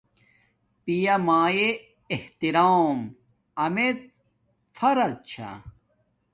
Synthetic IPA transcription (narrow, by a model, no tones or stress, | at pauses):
pijɐmaːjeː | ht̪iɾaːm | ɐmet̪̚ | fʰɐɾɐt͡ɕʰa̰